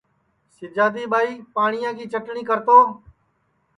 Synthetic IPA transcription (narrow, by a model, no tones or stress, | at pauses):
sɪd͡ʒaːd̪iːɓaːiːpaːɳɪjãːkiːt͡ʃəʈɳiːkəɾt̪oː